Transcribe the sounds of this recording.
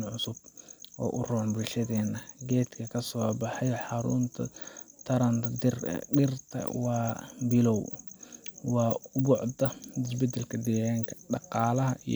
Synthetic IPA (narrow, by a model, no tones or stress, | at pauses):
nʕʊsʊb̚ʔɔ̰ːʔʊrɔːnbʊlʃɐðɛːnːɐɡɛːt̪kʰɐkʰɐsɔːbɑħɑjħɑɾʊ̰nt̪ʰɐ̰t̪ʰɐɾɐnt̪ʰɐd̪ɪrɖɪrt̪ʰɐ̰wɑːbɪlɔw | wɑːʊbʊʕd̪ɐɪs̬bɛd̪ɛlkʰɐd̪ɛːɣaːŋkʰɐ̥ɖɑqɑːlɐɦɐi